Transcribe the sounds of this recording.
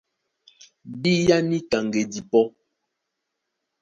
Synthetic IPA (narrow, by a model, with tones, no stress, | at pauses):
bi˦ja˦ni˦ta˨ŋɡe˨di˨pɔ˦